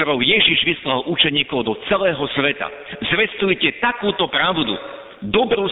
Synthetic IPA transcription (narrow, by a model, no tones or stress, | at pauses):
ɔɾɔʊjɛʒiʒʋislalʔut͡ʃɛɲiːkɔʊd̪ɔt͡sɛlɛːɦɔsʋɛt̪a̰ | zʋɛst̪ujcɛt̪akuːt̪ɔpɾaʊd̪ṵ | d̪ɔbɾuː